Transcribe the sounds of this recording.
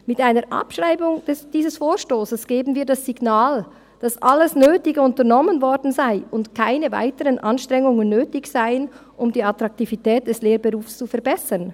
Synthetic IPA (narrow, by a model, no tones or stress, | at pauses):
mɪtʔaɪnəɾʔa̰pʃʁ̥aɪbʊŋd̥ɛd̥iːzəsfoːʃtoːsəsɡ̥eːbn̩viːɐdasiɡnaːl | d̥asʔaləsnøːtɪɡəʊntəʁnɔmənvɔɾdn̩zaɪʔʊntkʰaɪnəva̰ɪtəʁənʔɑnʃtʁ̥ɛŋʊŋənːøːtɪçsaɪənʔʊmdiːɑtʁɑk̚tivitɛːt̚d̥ɛsleːɾbəʁuːfst͡sufɛɐbɛsən